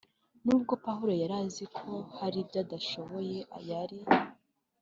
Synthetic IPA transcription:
nuːb̚ɡo̞paɦuɾojaɾaːzikʰo̞haɾibjaːdaʃo̞βo̞je̞ʔa̰jaɾi

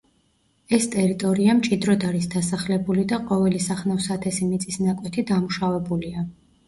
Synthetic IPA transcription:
ɛst̪ʼɛɾit̪ʼɔɾiamt͡ʃʼid̪ɾɔd̪aɾisd̪asaχlɛbulid̪aqʼɔvɛlisaχnafsat̪ʰɛsimit̪sʼisnakʼwɛt̪ʰid̪amuʃavɛbulia

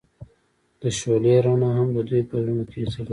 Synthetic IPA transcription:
d̪̥əʃoleɾanaɦamd̪əd̪ujpəzunokesəl

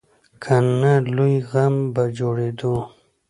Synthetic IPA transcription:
kʰanalujɣambad͡ʒoɽed̪o

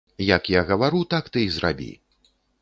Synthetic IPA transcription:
jakjaɣɐvaɾut̪akt̪ɨzɾa̰bʲḭ

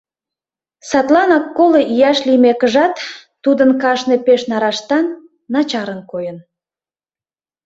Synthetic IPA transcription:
sɑt̪lɑnɑkːoleʔijɑʃlimekəʒɑt̪ː | ud̪ənkɑʃnepeʃnɑɾɑʃt̪ɑnː | ɑt͡ɕɑɾənkojən

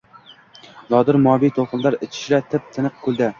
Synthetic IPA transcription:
nɒd̪ɪɾmɒbijt̪ʰolˠqɨnlaɾɪt͡ʃʰɪ̥ʃlat̪ʰɪp̚t̪ʰɪnɨq̚kʰɵlˠd̪a

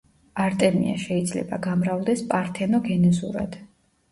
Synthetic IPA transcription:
aɾt̪ʼɛmḭa̰ʃɛid̪zlɛ̰baɡamɾavlˠd̪ɛspʼaɾt̪ʰɛnɔɡɛnɛzṵɾa̰d̪̥

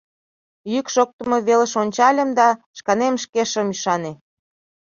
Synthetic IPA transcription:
jykʃok̚t̪əmoβelə̆ʃonʲt͡ɕɑlʲə̆md̪ɑʃkɑnemʃkeʃə̆myʃɑne

